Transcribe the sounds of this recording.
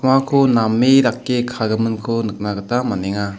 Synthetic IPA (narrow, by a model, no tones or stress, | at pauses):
makʰonamːeɾakːekʰaɡɯmɯnkʰonɯk̚naɡətamanɛŋa